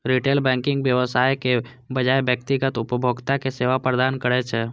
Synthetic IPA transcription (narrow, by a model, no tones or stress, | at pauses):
ɾiʈeːlbɛ̃ŋkɪ̃ŋɡbjəʋəsaːjke | bəd͡ʒaebjək̚t̪iɡət̪ʊpəbʱoɡt̪akeseːʋapɾəd̪aːnkəɾɛt͡ʃʰɛ